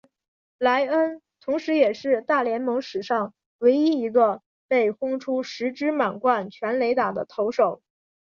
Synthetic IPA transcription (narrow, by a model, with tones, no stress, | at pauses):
la˧˥ɪə˥n | t̪ʰʊ˧˥ŋʂɻ̩˧˥jɛ˨˩ʂɻ̩˥˧t̪a˥˩ljɛ˧˥nmɤ˧˥ŋʂɻ̩˨˩ʂɑ˥˩ŋ | we˧˥ɪi˥i˧˥ɡə˧ | pe˥˩ɪxʊ˥ŋʈ͡ʂʰu˥ʂɻ̩˧˥ʈ͡ʂɻ̩˥ma˨˩nkwa˥˩nt͡ɕʰɥɛ˧˥nle˧˥ɪt̪a˨˩d̪ə̰˦t̪ʰo˧˥ʊʂo˨˩˦ʊ